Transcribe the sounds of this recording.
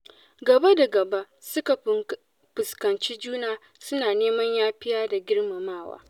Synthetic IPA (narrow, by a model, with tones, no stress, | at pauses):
ɡɐ˨ba˦da˨ɡɐ˨ba˦ʔsʊ˦ka˨˦ | pʊ˨skɐ˨nt͡ʃi˦d͡ʒuː˦naː˨ | sʊ˦naː˨neː˦mɐ˦ɲjaː˦ɸɪ˦jaː˦da˨ɡʲɪ˦rma˨maː˦˨wa̰ː˦